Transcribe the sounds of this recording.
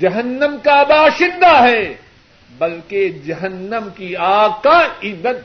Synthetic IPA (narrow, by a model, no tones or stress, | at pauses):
d͡ʒɐɦənːəmkabaːʃɪ̃nd̪aɦɛː | bɐlked͡ʒɐɦənːəmkiaːɡ̚kaɪzːət̪̚